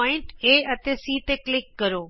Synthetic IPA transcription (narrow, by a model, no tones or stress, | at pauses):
ɪ̃ɳʈeːɐt̪esiːt̪eklɪkːɐɾoː